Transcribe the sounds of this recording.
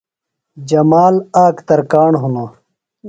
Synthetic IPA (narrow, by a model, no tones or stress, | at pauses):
d͡ʑɐmaːlaːkt̪ɐɾkaːɳɦuno